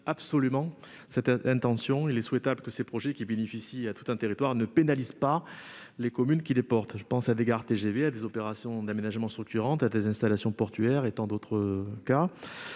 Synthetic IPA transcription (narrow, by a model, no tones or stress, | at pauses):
absɔlymɑ̃ | sɛt̪ɛ̃t̪ɑ̃sjɔ̃ilɛswɛt̪abləkəsepχɔʒɛkʲibenefisiat̪u̥t̪ɛ̃t̪eʁit̪waʁnəpenalizpa | lekɔmynkʲilepɔʁt̪ʒəpɑ̃sad̪eɡaʁt̪eʒevead̪ezɔpeʁasjɔ̃d̪amenaʒmɑ̃st̪χyk̚t̪yʁɑ̃t̪ad̪ezɛ̃st̪alasjɔ̃pɔʁt̪ɥɛʁet̪ɑ̃d̪ot̪χəka